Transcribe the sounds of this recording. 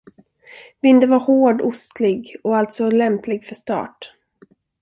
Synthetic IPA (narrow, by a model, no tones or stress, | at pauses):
vɪnd̪əvaɾhoːɖʊst̪lɪɡɔalt̪sɔlɛmplɪɡfœʂt̪ɑ̰ːʈ